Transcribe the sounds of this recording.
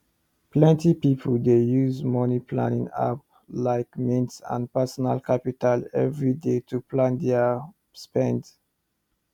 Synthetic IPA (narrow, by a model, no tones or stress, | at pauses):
pʰlɛ̃ntipipʰoldejuzmɔnipʰlã̰nḭ̃ŋa̰p̚ | laɪkmĩntsã̰npɛsɔnalkʰapitalɛ̰vɹidetʰuplãnd̪ɛ | spɛ̃nd